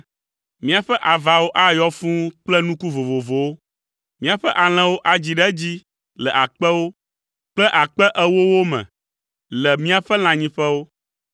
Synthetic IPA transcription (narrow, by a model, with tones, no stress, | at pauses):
mĩ˦a˨ɸɛ˦ʔa˨va˨wo˦ʔa˦jɔ˦fũ˦k͡plɛ˦nũ˦ku˦vo˨vo˨vo˨wo˦ | mĩ˦a˨ɸɛ˦ʔa˨l̃ɛ̃˨wo˦ʔa˨d͡ʑi˨ɖɛ˦d͡ʑi˦ | lɛ˨ʔa˨k͡pɛ˦wo˦ | k͡plɛ˦ʔa˨k͡pɛ˦ʔɛ˦wo˦wo˦mɛ̰̃˨ | lɛ˨mĩ˦a˨ɸɛ˦l̃ã˨ɲĩ˦ɸɛ˦wo˦